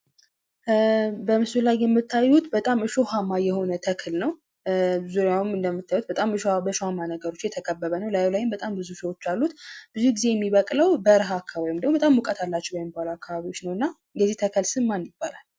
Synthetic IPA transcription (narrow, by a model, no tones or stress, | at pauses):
bəmɨsulajjɛmːɨt̪ʰːajːut̪bət̪ʼamɨʃohamajɛho̞nət̪ʰəkʰɨlnəw | zuɾjawmɨnd̪əmːɨt̪ʰːajut̪bət̪ʼamɨʃabəʃohamanəɡəɾo̞t͡ʃːjɛt̪ʰəkʼəbːəβənəwlajwlajɨmbət̪ʼambɨzusəwo̞t͡ʃːalːut̪b̥ɨzuɡize̞jɛmːiβəkʼləwbəɾɦakʰːaβajmd̪əɡmubət̪ʼamwʊkʼət̪ʰalːat͡ʃːɛwjɛmːɨbːaləwakʰːaβaβiwo̞t͡ʃːnəwɨnːa | jɛzːiht̪ʰəkʰəlsɨmːanjɪb̥ːalal